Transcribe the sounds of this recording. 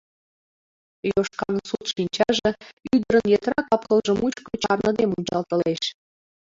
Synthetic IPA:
joʃkɑnsut̪ʃinʲt͡ɕɑʒĕyd̪ə̆ɾə̆njet̪rɑkɑpkə̆lʒɤ̆mut͡ɕkot͡ɕɑrnɤ̆d̪emunʲt͡ɕɑlt̪ɤ̆leʃ

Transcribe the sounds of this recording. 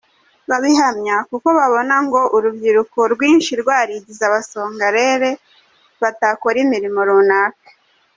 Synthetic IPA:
βaβiɦamɲakuko̞βaβo̞naŋɡo̞ʔuɾubɟiɾukoɾɡwiːnʃiɾɡwaːɾiɟizaβaso̞ːŋɡaɾe̞ɾe̞ | βatakoɾimiɾimo̞ɾuːnaːke̥

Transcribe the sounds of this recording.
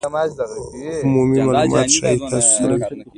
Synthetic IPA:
ʊmumimalumɑ̰t̪ʃa̰it̪ʰassaɾawi

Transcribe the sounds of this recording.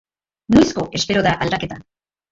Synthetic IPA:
nojsko̞ʔe̞spe̞ɾo̞ðaʔald̪ake̞t̪a

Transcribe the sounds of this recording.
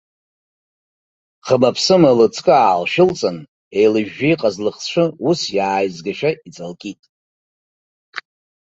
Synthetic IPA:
qʰəmapʰsɨmalɨt͡sʰʼkʼɨaːlʃɪlt͡sʼɨn | ejlɨʒᶣːijqʼazlɨχʂʷʰɨusjaːjzɡaʃᶣait͡sʼalkʲʼitʼ

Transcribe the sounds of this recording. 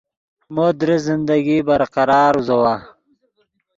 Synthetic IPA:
mod̪ɾezɪnd̪aɡibɐɾqɑɾɑːɾuzɐwa

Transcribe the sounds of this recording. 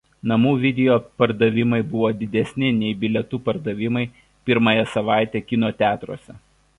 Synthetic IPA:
nɐmuːʋʲɪd̪ʲɛjoːpɐɾd̪ɐʋʲɪmɐɪbʊʋoːd̪ʲɪd̪ʲɛsʲnʲɪnʲɛɪbʲɪlʲɛt̪uːpɐɾd̪ɐʋʲɪmɐɪ | pʲɪɾmɐjɛsɐʋɑˑɪt̪ʲɛːkʲɪnoːt̪ʲæːt̪ɾo̰ːsʲɛ

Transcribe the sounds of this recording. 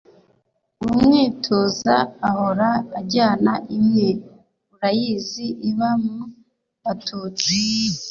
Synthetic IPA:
uumŋiːtʰoza̰ːho̞ɾaːɟaːnaʔimje | uɾajiziʔiβamu | βatʰuːt͡si

